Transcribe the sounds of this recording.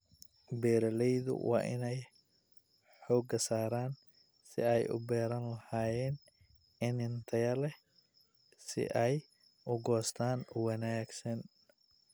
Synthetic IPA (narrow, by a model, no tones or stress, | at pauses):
bɛːɾɐlɛjðʊ̰wʔɑ̰ːʔɪ̰nɛj | ħɔːɡɐsaːɾaːn | sɪ̰ɛjʊ̰bɛːɾɐnlɐhaːjɛːn | ɪnɪnt̪ʰɐjɐlɛ | sɪ̰ʔɛj | ʔʊɡɔːst̪ʰaːnwɐnaːɡsɐn